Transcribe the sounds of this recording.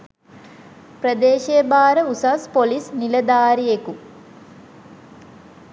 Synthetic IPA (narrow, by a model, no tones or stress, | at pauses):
prəd̪eːʃeəbaːɾəusaspolisniləd̪aːɾijeku